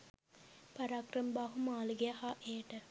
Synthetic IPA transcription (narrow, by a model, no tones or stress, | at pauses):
paɾaːkrəmbaɦumaːluɡeaɦaʔeːʈə